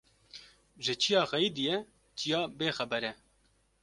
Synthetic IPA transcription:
ʒɪt͡ʃʰijɑːxɛjid̪ijɛ | t͡ʃʰijɑːbeːxɛbɛɾɛ

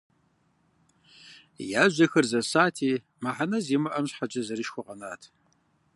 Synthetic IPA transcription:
jaːʒʷɐxɐrzɐsaːtʰiː | maħanɐziːmɨʔɐmɕħad͡ʒɐzɐɾiʃxʷɔqʼɐnaːtʰ

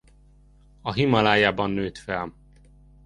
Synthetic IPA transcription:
ɒɦimɒlaːjaːbɒnːøːt̪fɛl

